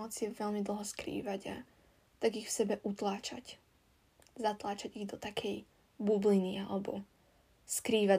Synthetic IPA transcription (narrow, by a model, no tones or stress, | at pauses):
ɔt͡sɪɛʋɛlmid̪l̩ˠɦɔskɾḭːʋaɟa̰ | t̪aɡixfsɛbɛʔut̪laːt͡ʃa̰c | zat̪laːt͡ʃaɟiɣd̪ɔt̪akʰɛj | bublinialɛbɔ̰ | skɾiːʋa